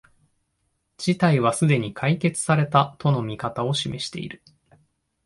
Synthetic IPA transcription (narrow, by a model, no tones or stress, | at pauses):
d͡ʑit̪aiβ̞asɨd̪e̞ɲ̟ikʰaike̞t͡sɨ̥saɾe̞t̪at̪o̞no̞mʲikat̪ao̞ɕime̞ɕi̥t̪e̞̰ḭɾɯ̟